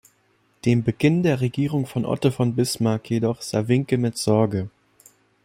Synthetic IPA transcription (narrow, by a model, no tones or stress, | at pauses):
d̥eːmbəɡɪndeːɐʁeɡiːʁʊŋfɔnʔɔ̰tofɔnbɪsmaɐkʰjedɔχz̥a̰ːvɪŋkəmɪtz̥ɔɐɡə